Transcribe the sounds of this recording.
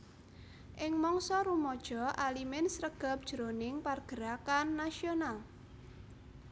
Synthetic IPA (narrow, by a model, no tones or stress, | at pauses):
ʔɪŋmɔŋsɔɾumɔd̥ʒ̥ɔ̤ʔalimɛnsɾəɡ̥a̤p̚d̥ʒ̥ɾonɪŋparɡ̥əɾakanːasional